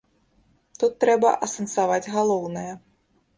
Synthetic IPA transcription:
t̪ut̪ːɾɛbɐ̰ʔɐsɐnsavad͡zʲɣalˠɔwnɐjɛ

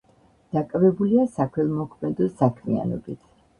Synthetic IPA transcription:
d̪̥akʼvɛbuliasakʰwɛlˠmɔkʰmɛd̪ɔsakʰmia̰nɔ̰bit̪ʰ

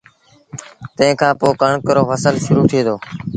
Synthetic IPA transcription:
t̪ə̃ɦɪ̃ːkʰãːpoːkəɳkəɾoːfəsəlʃʊɾuːt̪ʰeːd̪oː

